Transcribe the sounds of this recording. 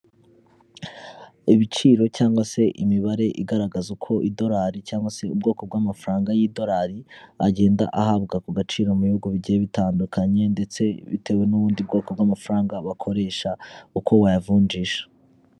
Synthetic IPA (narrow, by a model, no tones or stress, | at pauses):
iβit͡ʃiːɾo̞caːŋɡwase̞ʔimiβaɾe̞ʔiɡaɾaɡazukʰo̞ʔido̞ɾaːɾicaːŋɡwase̞ub̚ɡo̞ːko̞b̚ɡwamafɾaːŋɡajido̞ɾaːɾia̰ɟe̞ːnda̰ʔahabɡakuɡat͡ʃiːɾo̞muβihuɡuβiɟijeβitaːndukʰaɲe̞nde̞t͡se̞βḭtʰe̞we̞nuβuːndiubɡo̞ːko̞b̚ɡwaːmafɾaːŋɡaβakʰo̞ɾe̞ːʃaukʰo̞wajavuːnd͡ʒiʃḁ